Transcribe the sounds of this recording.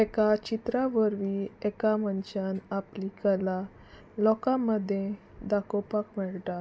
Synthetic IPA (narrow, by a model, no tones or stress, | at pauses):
ɛkat͡ɕit̪ɾaʋəɾʋiɛkamənt͡ɕanaplikəla | lɔkãməd̪ʱːjẽ | d̪akopakmɛɭʈ̪a